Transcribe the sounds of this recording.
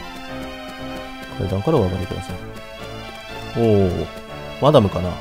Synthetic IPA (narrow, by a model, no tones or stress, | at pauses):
kʰaḭd̪ãŋkaɾaoβaɡat̪ːekɯ̟d̪a̰sai | o̰ː | mad̪amɯ̟kana